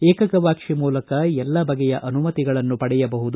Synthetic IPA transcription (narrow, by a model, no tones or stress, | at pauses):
eːkɐkɐʋaːkʂimuːlɐkɐɛlːɐbɐɡɛjɐʔɐnumɐt̪iɡɐɭɐnːupɐɽɛjɐbɐɦud̪u